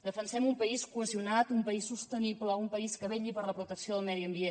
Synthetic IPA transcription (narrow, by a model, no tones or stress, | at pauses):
d̪əfənsɛmumpəiskuəziunat̪umpəisːust̪ənipləumpəiskəβeʎipəɾləpɾut̪əksioðəlˠmɛðiəmbie